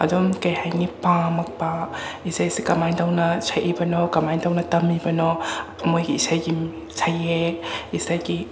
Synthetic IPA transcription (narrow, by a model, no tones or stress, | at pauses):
ɐ̰dumkɐjhajŋipamɐk̚paisajsikɐmajntawnɐsʰajʔibɐnɔkɐmajntawnɐtɐmibɐnɔ | ɐmojɡiːsajɡim | sʰajeisajɡi